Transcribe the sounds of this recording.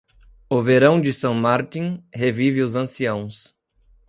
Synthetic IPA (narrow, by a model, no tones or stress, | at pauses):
ʊveɾɐ̃w̃d͡ʒɪsɐ̃w̃maɾt̪ĩhevivɪʊzɐ̃siɐ̃w̃s